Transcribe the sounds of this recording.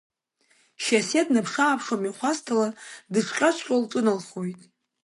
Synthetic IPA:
ʃasednɨpʰʂaːpʰʂomiχʷastʰaladɨʈ͡ʂʷʰqʲʼat͡ʃʷʰqʲʼolʈ͡ʂʼɨnɨlχojtʼ

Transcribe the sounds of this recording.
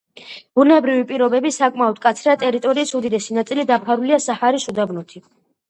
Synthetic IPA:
b̥ulnɛbɾivipʼiɾɔbɛbisakʼmaɔd̪̚kʼat̪sʰɾat̪ʼɛɾit̪ʼɔɾiːsud̪id̪ɛsinat̪sʼilid̪apʰaɾuliasahaɾisud̪avnut̪ʰi

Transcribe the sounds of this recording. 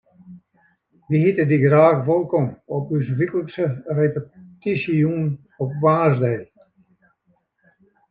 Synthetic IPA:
ʋihitədiɡraːxʋolˠkɔmɔpys̬ʋikəl̩ˠsərepətisiun | ɔpʋaːzdɛj

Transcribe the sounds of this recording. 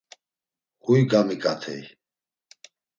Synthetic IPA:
hujɡamikʼat̪ʰɛ̰j

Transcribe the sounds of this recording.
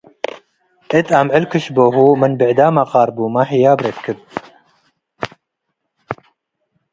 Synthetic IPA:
ʔet̪ʰamʕɪlkʰɨʃboːɦuːmɨnbɨʕd̪aːmaqɑːɾbuːmaħijaːbɾet̪kʰɨb̚

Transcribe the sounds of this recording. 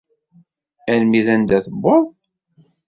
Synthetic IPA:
ælmiðænd̪æθəbːoðˤ

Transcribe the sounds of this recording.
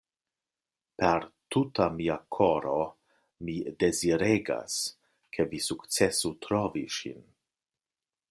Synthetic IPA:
peɾtutamiakʰoɾo | mideziɾeɡa̰s | kʰevisukt͡sesutɾoviʃḭn

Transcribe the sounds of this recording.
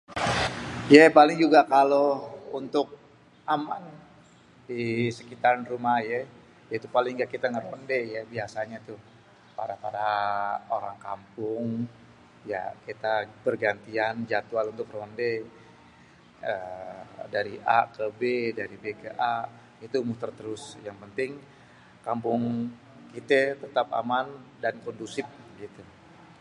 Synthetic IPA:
japalɪŋd͡ʒuɡakalount̪ʊk̚ | aman | disəkit̪arnrumajɛ | jait̪upalɪŋɡakit̪aŋəɾondejabiasaɲat̪u | paɾapaɾaoɾaŋka̰mpʊŋ | ja̰kit̪abərɡant̪iand͡ʒat̪ualunt̪ʊkronde | ə | daɾiʔa̰kəbedaɾibekəʔa | it̪umut̪ərt̪əɾʊsjaŋpənt̪ɪŋ | kampʊŋ | kit̪ət̪ət̪apa̰mandankɔndusɪp̚ɡit̪u

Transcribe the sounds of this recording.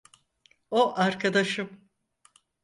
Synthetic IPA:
oʔaɾkʰad̪aʃɯm

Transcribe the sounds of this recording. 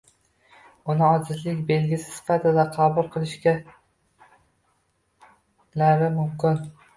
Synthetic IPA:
ʊnɪɒzɪzlɪkʲbe̞lɡʲɪsɪ̥sɪ̥fat̪ʰɪd̪aqʰɑbʊlˠqʰɨlˠɪʃkʲa | laɾɪmʊmkʲɪn

